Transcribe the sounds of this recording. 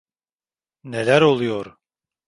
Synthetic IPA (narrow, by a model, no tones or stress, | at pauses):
ne̞lʲæɾo̞lˠujoɾ